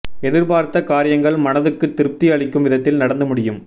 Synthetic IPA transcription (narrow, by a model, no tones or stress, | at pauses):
ɛðɪɾpaːɾt̪ːɐkaːɾɪjɐŋɡɐɭmɐnɐðɯkːɯt̪ːɪɾɯp̚t̪ɪjɐɭɪkːɯmʋɪðɐt̪ːɪlnɐɽɐnd̪ɐmʊɽɪjɯm